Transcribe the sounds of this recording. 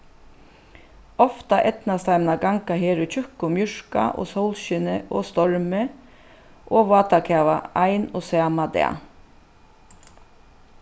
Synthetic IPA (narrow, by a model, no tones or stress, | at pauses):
ɔft̪aʔɛt̪nast̪ʰaɪmnaɡaŋkaɦeːɾʏt͡ʃʰʏhkʊmjʏɹ̥ka̰ʔɔ̰ːsɔwlʃɪnəʔɔːst̪ɔɹmɪ | ʔoːʋaːt̪akʰaːʋa̰ajnɔsaːmad̪ɛ̰ː